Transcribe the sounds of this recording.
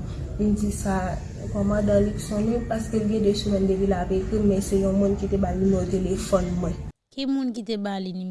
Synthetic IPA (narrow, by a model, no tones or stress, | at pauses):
m̩d͡zisa | kɔmãdãliksɔ̃nẽpaskəlɡɛ̃desumɛ̃nd̪evilapekimɛ̃sɛjɔ̃mũnkit̪ebalnimot̪elefɔnmwɛ̃ | kimũnkit̪ebalini